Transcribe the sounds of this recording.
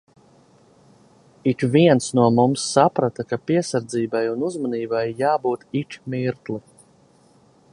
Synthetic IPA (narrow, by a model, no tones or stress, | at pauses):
ikviɛnsnuɔmumsːapɾat̪akapiɛsaɾd̪ziːbajunuzmaniːbajːaːbuːt̪it͡ʃmiɾt̪lˠi